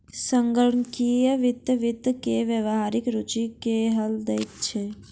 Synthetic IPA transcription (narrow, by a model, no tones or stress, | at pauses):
sə̃ŋɡəɽɳkijəʋɪt̪ːʋɪt̪ːkeʋjəʋɦaːɾɪkɾut͡ʃikeɦəld̪ejt̪t͡ʃʰe